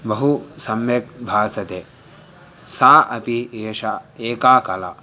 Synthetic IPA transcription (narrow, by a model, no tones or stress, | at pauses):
bɐɦusɐmjɐk̚bʱaːsɐt̪eː | saːʔɐpieːʃaeːkaːkɐla̰